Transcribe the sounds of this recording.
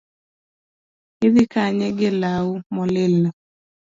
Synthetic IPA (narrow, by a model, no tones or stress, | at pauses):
ɪðɪkaɲɛɡɪlaumɔlɪlːɔ